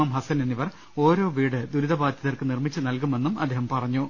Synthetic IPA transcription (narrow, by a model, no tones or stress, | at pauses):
aːmɦɐsɐnenːiʋɐr | o̞ːɾo̞ːʋiːɽɨd̪uɾuðɐbaːd̪ʱjɐðɐrkɨnirmit͡ɕːɨnɐlkume̞nːumɐd̪ːeːɦɐmpɐrɐɲːu